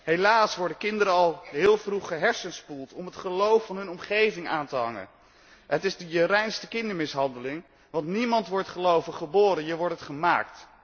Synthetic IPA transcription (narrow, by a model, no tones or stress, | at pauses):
ɦejlaːsʋɔɹdəkɪndəɾəɑlˠɦɪːlˠvruχəɦɛɹsənspulˠtɔmətχəlowfːɑnɦɵnɔmχejvɪŋaːntəɦɑ̰ŋə̰n | ɦətɪzdəjərɛjnstəkɪndəɹmɪsɦɑndəlɪŋ | ʋɑntnimɑntʋɔɹtχəlowvəχəboːɾənjəʋɔɹtətχəma̰ːkt